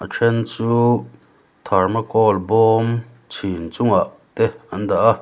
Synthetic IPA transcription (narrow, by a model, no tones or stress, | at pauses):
ʔat͡ʃʰent͡suː | t̪ʰaɾmakɔːlboːm | t͡sʰint͡sũŋaʔ | t̪eand̪aʔa